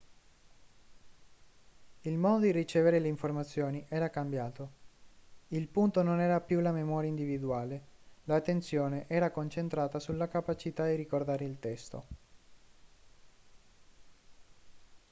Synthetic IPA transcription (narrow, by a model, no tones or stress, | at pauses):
ilmɔːd̪od̪irit͡ʃɛːveɾeleiɱformat̪sːjoːniʔɛːɾakambjaːt̪o | ilpunt̪ononɛːɾapjulamemɔːɾjaind̪ivid̪uaːlelat̪ːent̪sjoːneʔɛːɾakont͡ʃent̪ɾaːt̪asulːakapat͡ʃit̪ad̪irikord̪aːɾeilt̪ɛst̪o̰